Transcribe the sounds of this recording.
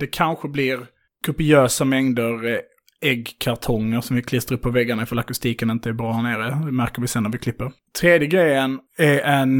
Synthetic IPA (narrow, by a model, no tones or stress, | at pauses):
d̪̥ɛkʰanɧəblɪɾ | ɡ̥ɵpɪøːsamɛŋd̪əɾ | ɛɡkʰaɾt̪ʰɔŋːəɾʂɔmvɪkʰlɪst̪əɾɵpʰːɔvɛɡːaɳaɪfalakʊst̪iːkənɪnt̪əæɾbɾɑːhæɾɳeːɾəɪmæɾkəɾvɪsɛnːaɾvɪkʰlɪpːəɾ | t̪ʰɾeːd̪jəɡɾɛjənæɾɛn